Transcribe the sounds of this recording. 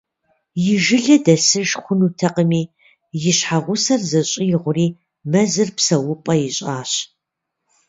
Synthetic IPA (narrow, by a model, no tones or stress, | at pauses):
jɪʒɪɮɐdɐsɨʒχʷʊnuːtʰɐqəmiː | jɪɕħaʁʷʊsɐrzɐɕʼijɪʁʷʊriː | mɐzɨrpsɐwʊpʼɐjɪɕʼaːɕ